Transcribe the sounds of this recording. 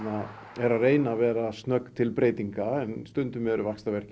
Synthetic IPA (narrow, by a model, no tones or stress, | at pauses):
a | ɛɾareːjnavɛːɾast̪nœkt̪ʰɪlpɾeːjt̪iŋkaɛnst̪ʏnt̪ʏmɛɾʏvakst̪avɛr̥c